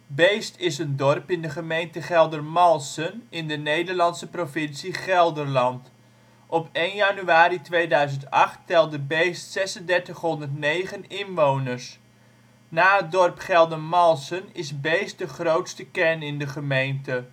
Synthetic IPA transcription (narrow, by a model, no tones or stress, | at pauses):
bejstɪsəndɔrpɪndəχəmejntəχɛlˠdərmɑlˠsənɪndənejdəɹlɑnsəprofɪnsiχɛlˠdəɹlɑnt | ʔɔpejnjanyaːɾitʋejdœɥzəntɑχtːɛlˠdəbejstsɛsəndɛɹtəχɦɔndəɹtnejχənɪnʋownəɹs | naːətdɔrpχɛlˠdənmɑlˠsənɪsbejst̚dəχrowtstəkɛnɪndəχəmejntə